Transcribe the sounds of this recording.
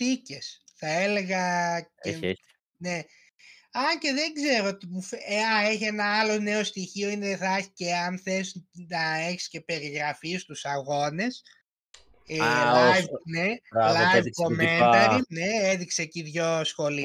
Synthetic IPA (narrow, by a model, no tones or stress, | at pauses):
t̪ice̞sθɐe̞le̞ɣɐe | ne̞ | ɐce̞ðe̞ɡze̞ɾoot̪imufeɐeçienɐɐlo̞ne̞o̞st̪içio̞ineθɐçi̥ceɐnθe̞snɐe̞çi̥sce̞pe̞ɾiɣɾɐfist̪usɐɣo̞ne̞s | lajvnealjvkomeneɾineeðikseːciðʝo̞sxo̞li